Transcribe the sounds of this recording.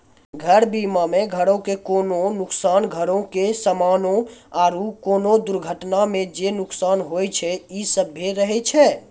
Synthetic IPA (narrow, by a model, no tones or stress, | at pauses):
ɡʱəɾbimamẽɡʱəɽõkekoːnonʊksaːnɡʱəɾõkesəmaːnõaːɾukoːnod̪ʊɾɡʱəʈnamẽd͡ʒenʊksaːnɦojt͡ʃʰɛisəbʱeɾəɦɛt͡ʃʰɛ